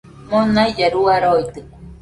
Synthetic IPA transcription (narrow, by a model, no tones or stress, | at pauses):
monajd͡ʒaɾuaɾoit̪ɨ